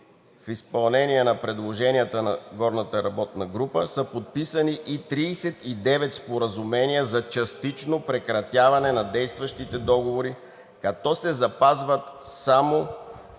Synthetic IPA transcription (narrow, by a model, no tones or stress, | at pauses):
fispɐlˠnɛniɛnɐpɾɛd̪lˠoʒɛniət̪ənɐɡɔɾnət̪əɾɐbɔt̪nɐɡɾupəsəpot̪̚pisəniʔit̪ɾiːsɛt̪id̪ɛvɛt̪spoɾəzumɛniəzɐt͡ʃɐst̪it͡ʃnopɾɛkɾɐt̪javɐnɛnɐd̪ɛjst̪vɐʃt̪it̪ɛd̪ɔɡovoɾi | kɐt̪ɔsɛzɐpazvət̪samo